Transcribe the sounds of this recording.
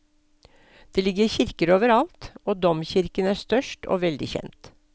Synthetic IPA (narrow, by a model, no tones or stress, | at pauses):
d̪̥eːlɪɡəçɪɾkəɾoːʋəɾɑlt̪oːd̪ɔmçɪɾkənæːst̪œʃʈo̰ːʋɛld̪ɪçɛ̰nt̪